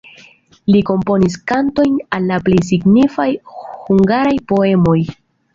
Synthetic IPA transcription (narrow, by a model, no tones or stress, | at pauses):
liko̞mpo̞niskanto̞jnalːaple̞js̬iɡnifajhuŋɡaɾajpo̞e̞mo̞j